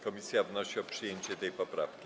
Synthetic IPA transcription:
kɔmʲisʲjavnɔɕiɔpʂɘjeɲt͡ɕɛt̪ɛjpɔpɾa̰fkʲi

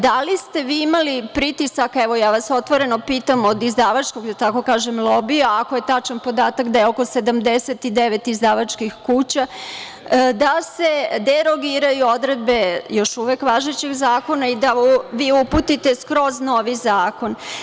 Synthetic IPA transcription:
d̪alist̪e̞ʋiːimalipɾit̪isakɛʋo̞jaːʋaso̞t̪ʋo̞ɾe̞nopiːt̪amo̞d̪izd̪aːʋat͡ʃkoɡd̪at̪ako̞kaːʒemlˠo̞bijoako̞je̞t̪at͡ʃanpo̞d̪aːt̪akd̪ajeoko̞sed̪amd̪eset̪id̪eʋet̪izd̪aːʋat͡ʃkixkuːt͡ɕa | d̪ase̞d̪eɾo̞ɡiːɾajuo̞d̪ɾed̪be̞jo̞ʃuʋekʋaːʒet͡ɕeɡzaːko̞naid̪aʋiːuput̪it̪e̞skɾo̞znoʋizaːko̞n

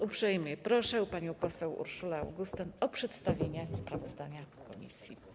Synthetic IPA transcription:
upʂɛjmɲɛpɾɔʂɛwpaɲɔ̃w̃pɔsɛwṵɾʂula̰ːwɡust̪ɘnɔpʂɛt̪st̪avʲjeɲɛspɾavɔzd̪aɲa | kɔmʲḭsʲji

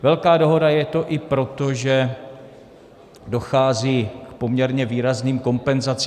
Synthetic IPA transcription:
vɛlkaːdo̞ɦo̞dajɛt̪o̞ʔɪpɾo̞t̪o̞ʒɛ | do̞xaːziːkpo̞mɲɛɾɲɛviːɾazniːmko̞mpɛnzat͡sː

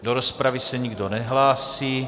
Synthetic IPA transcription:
d̪ɔɾɔspɾaʋisaɲiɡd̪ɔnɛɦlaːsiː

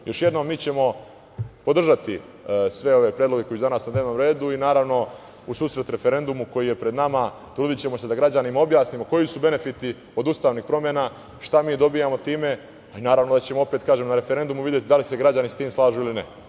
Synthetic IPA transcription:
jo̞ʃje̞d̪no̞mːiːt͡ɕe̞mo̞ | po̞d̪r̩ʒat̪i | sʋe̞o̞ʋe̞pɾjed̪loɡe̞ko̞jisud̪anaːsnad̪neːʋnomɾe̞ːd̪uinaːɾaʋno̞ | usuːsɾe̞t̪ɾe̞fe̞ɾe̞nd̪umuko̞jije̞pɾe̞d̪nama | t̪ɾuːd̪it͡ɕe̞mosed̪aɡɾad͡ʑanimao̞bjaːsnimo̞ko̞jisube̞ne̞fit̪i | o̞d̪ust̪aːʋnixpɾomjena | ʃt̪amiːd̪o̞bijamo̞t̪iːme̞ | ainaːɾaʋno̞d̪at͡ɕe̞moo̞pe̞ːt̪kaːʒemnaɾe̞feɾe̞nd̪umuʋid̪ʲje̞t̪id̪alise̞ɡɾad͡ʑanisat̪iːmslˠaːʒuːilinḛ

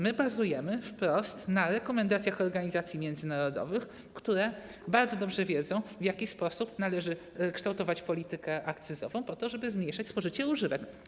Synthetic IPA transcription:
mɘbazujɛmɘfpɾɔst̪naɾɛkɔmɛnd̪at̪sʲjaxɔɾɡaɲizat̪sʲjimʲjɛnd̪zɘnaɾɔd̪ɔ̰vɘx | kt̪uɾɛ | baɾd̪zɔd̪ɔbʐɛvʲjɛd̪zɔ̃w̃vjakʲispɔsupnalɛʐɘ | kʂt̪awt̪ɔvat͡ɕpɔlʲit̪ɘkɛʔakt̪sɘzɔ̰vɔ̃w̃pɔt̪ɔʐɛbɘzmʲɲjejʂat͡ɕʲspɔʐɘt͡ɕɛuʐɘvɛk

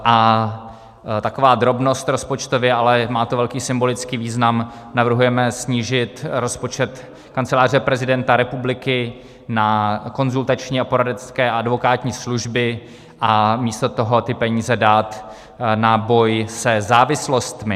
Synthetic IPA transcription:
ʔa | t̪akovaːd̪ɾo̞bno̞st̪ɾo̞spot͡ʃt̪ovjɛʔalɛmaːt̪ovɛlkiːsɪmbo̞lɪt͡skiːviːznamnavr̩ɦujɛmɛsɲiːʒɪt̪ɾo̞spo̞t͡ʃɛt̪ | kant͡sɛlaːr̝ɛpɾɛzɪdɛnt̪aɾɛpublɪkɪ | nako̞nzult̪at͡ʃɲiːapo̞ɾadɛskɛːaadvo̞kaːt̪ɲiːsluʒbɪ | ʔamiːst̪ot̪o̞ɦo̞t̪ɪpɛɲiːzɛdaːt̪ | nabo̞jsɛzaːvɪslo̞st̪mɪ

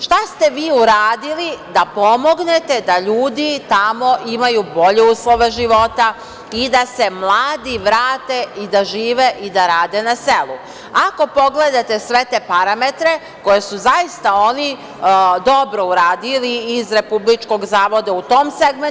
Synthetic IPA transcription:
ʃt̪ast̪e̞ʋiːuɾaːd̪ilid̪apo̞mo̞ɡne̞t̪e̞d̪aʎuːd̪it̪amo̞ʔimajuːbo̞ʎeuːslˠo̞ʋeʒiʋo̞t̪a | id̪ase̞mlˠaːd̪iʋɾaːt̪e̞id̪aʒiːʋeʔid̪aɾaːd̪e̞nase̞lˠṵ | ako̞po̞ɡled̪at̪e̞sʋe̞t̪epaɾamet̪ɾe̞ | ko̞je̞suzajist̪ao̞ni | d̪o̞bɾo̞uɾaːd̪iliːzɾe̞publit͡ʃko̞ɡzaːʋo̞d̪aut̪o̞ːmseɡme

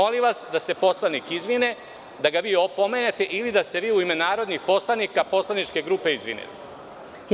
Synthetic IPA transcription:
oliʋasd̪ase̞po̞slˠanikizʋine̞ | d̪aɡaʋiːo̞po̞meːne̞t̪e̞ʔilid̪ast̪e̞ʋiːuime̞naːɾo̞d̪nixpo̞slˠanikapo̞slˠanit͡ʃke̞ɡɾuːpe̞izʋḭnḛt̪

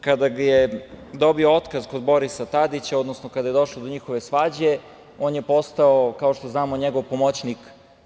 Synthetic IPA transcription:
kad̪aɡjed̪o̞bioot̪kazko̞d̪bo̞ɾisat̪ad̪it͡ɕao̞d̪nosnokad̪aje̞d̪o̞ʃlod̪o̞ɲixo̞ʋe̞sʋad͡ʑe̞ | oːnje̞po̞st̪aokaoʃt̪o̞znaːmoɲeɡo̞ʋpomot͡ɕnik

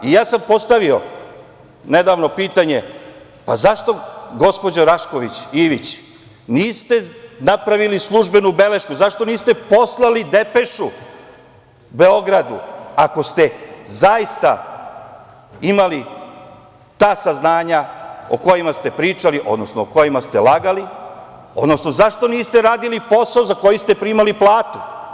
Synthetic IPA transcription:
ijaːsampo̞st̪aʋio̞ | ne̞d̪aːʋno̞piːt̪aɲe̞ | pazaʃt̪o̞ɡo̞spo̞d͡ʑaɾaʃko̞ʋit͡ɕiʋit͡ɕ | niːst̪e̞napɾaʋilislˠuʒbe̞nube̞le̞ʃkuzaʃt̪o̞niːst̪e̞po̞slˠalid̪epe̞ʃu | beo̞ɡɾad̪uako̞st̪ezajist̪a | imali | t̪aːsaznaːɲao̰ko̞jimast̪e̞pɾiːt͡ʃaliʔo̞̰d̪no̞snooko̞jimast̪elˠaɡali | o̞̰d̪no̞sno̞zaʃt̪o̞niːst̪e̞ɾaːd̪ilipo̞saozako̞jist̪e̞pɾimaliplˠaːt̪u̥

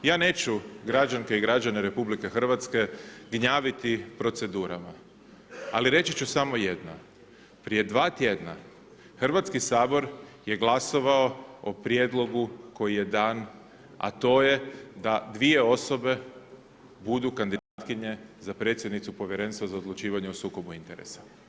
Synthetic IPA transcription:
jaːne̞ːt͡ɕuɡɾad͡ʒaŋkeiɡɾad͡ʒaneɾe̞publike̞xr̩ʋat̪ske̞ɡɲaːʋit̪ipɾo̞t̪se̞d̪uːɾama | aliɾe̞t͡ɕit͡ʃusamo̞je̞d̪na̰ | pɾije̞d̪ʋaːt̪jed̪na̰ | xr̩ʋat̪skisaːbo̞ɾje̞ɡlaso̞ʋao̞opɾje̞d̪lˠo̞ɡuko̞jije̞d̪aːn | a̰t̪o̞ːje̞d̪ad̪ʋie̞o̞so̞be̞ | bud̪ukand̪id̪at̪kiɲe̞zapɾe̞t̪sjed̪nit̪supo̞ʋje̞ɾe̞nst̪ʋozaod̪lˠut͡ʃiːʋaɲeusuːko̞buint̪e̞ɾḛsḁ

